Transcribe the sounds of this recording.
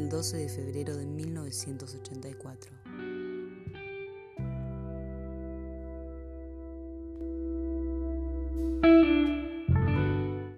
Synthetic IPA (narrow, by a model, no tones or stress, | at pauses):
ld̪oseðefeβɾeɾoðemilno̞βesje̞nt̪osot͡ʃe̞nt̪ajkwat̪ɾo